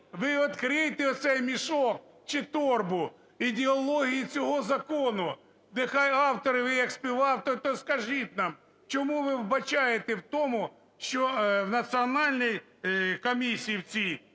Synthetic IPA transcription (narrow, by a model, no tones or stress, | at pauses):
ʋɪɔt̪kɾɪjt̪ɪɔt̪sɛjmʲiʃɔk̚ | t͡ʃɪt̪ɔrbʊ | id̪ʲeɔlˠɔɦʲijit͡sʲɔɦɔzɐkɔnʊ | d̪ɪxɑjɑwt̪ɔɾɪʋɪjɐksʲpʲiʋɑwt̪ɔt̪ɔskɐʒɪt̪ʲnɑm | t͡ʃɔmuʋɪwbɐt͡ʃɑjet̪ewt̪ɔmʊ | ʃt͡ʃɔwnɐsʲiɔnɑlʲnʲij | kɔmʲisʲijiwt͡sʲij